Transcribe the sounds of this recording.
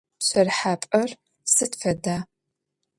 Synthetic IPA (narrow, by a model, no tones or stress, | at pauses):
ɕʷɐrħaːpʼɐr | sɨtfɐdaː